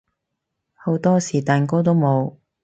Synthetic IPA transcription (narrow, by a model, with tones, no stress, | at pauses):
ho˨˥wt̪ɔː˥siː˨˩t̪aː˨nko˥t̪̬o˥wmo˨˧w